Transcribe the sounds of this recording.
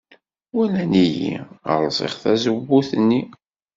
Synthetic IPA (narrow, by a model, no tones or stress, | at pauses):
wælænijḭə̰ɾˤzˤḭχθæzəbːuθənːi